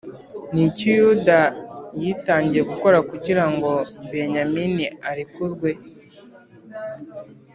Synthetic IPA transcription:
nicujudajitaːɲɟije̞ɡuko̞ɾakuɟiɾaŋɡo̞be̞ɲaminiaɾikuzɡwe̞

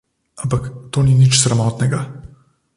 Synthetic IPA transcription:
ampakt̪oːninit͡ʃsɾamɔt̪nɛɡa

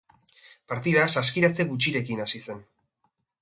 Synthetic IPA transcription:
paɾt̪iðasaskiɾat͡se̞ɣut͡ʃiɾe̞kinasise̞n

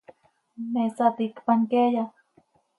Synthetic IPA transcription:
mesat̪ikpaŋkeja

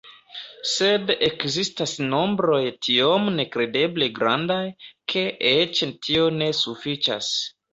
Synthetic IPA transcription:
se̞de̞kzistasno̞mbɾo̞jtʰiomne̞kɾe̞de̞ble̞ɡɾa̰ndajkʰe̞ʔet͡ʃtʰio̞ne̞sufit͡ʃa̰s

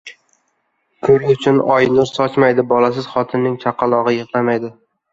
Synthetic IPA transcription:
kʰɵɾɪʊt͡ʃʰʊnɒjnʊɾsɒt͡ʃmajd̪ɪbɒlas̬ɪz̥χɒt̪ʰɪnːɪŋt͡ʃʰaqʰːɑlˠɒʁɨjɨʁlamajd̪ɪ

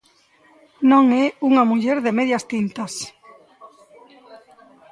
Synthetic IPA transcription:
nõŋɛuŋamuʎɛɾðɪmeðjɐst̪int̪ɐs

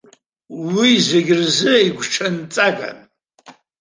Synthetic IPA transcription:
wizeɡʲɪrzɨiɡʷʈ͡ʂʰɐnt͡sʼaɡʼa̰n

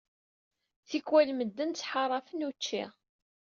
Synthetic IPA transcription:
θikwælməd̪ːənt͡sːħɑrˤɑfənut͡ʃːḭʁ

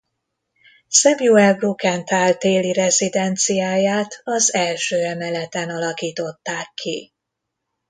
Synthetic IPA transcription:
sɛbjuɛlbrukɛnt̪aːlt̪eːliɾɛzid̪ɛnt̪sijaːjaːt̪ɒzɛlʃøːɛmɛlɛt̪ɛnɒlɒkiːt̪o̞t̪ːaːkʰːi

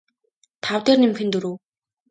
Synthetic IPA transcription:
t̪ʰawt̪eːrnimxɘ̆nt̪ɵɾoː

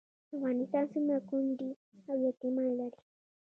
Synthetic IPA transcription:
wanitansimakʊnd̪i | awjat̪imalaɾi̥

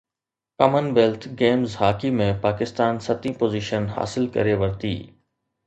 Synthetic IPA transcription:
kɐmənʋeːlt̪ʰɡeːmzɦaːkimẽpaːkɪst̪aːnsɐt̪ĩpoːziːʃənɦa̰ːsɪlkɐ̰ɾeʋəɾt̪ḭː

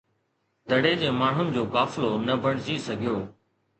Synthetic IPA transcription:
d̪ʱəɽeːd͡ʑeːmaːɳ̤ʊnɪ̆d͡ʑoːkaːflonɐbʱəɽ̃d͡ʑiːsɐɡʱijoː

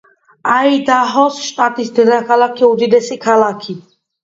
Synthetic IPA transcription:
aid̪aɦɔsʃt̪ʼat̪ʼisd̪ɛd̪akʰalˠakʰiud̪id̪ɛsikʰalakʰi

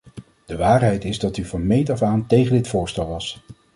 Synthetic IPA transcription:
d̥əʋaːɹɦɛjtɪzdɑtyvɑnmejtɔfaːntejχəndɪtfʊːɹstɛlˠʋɑs

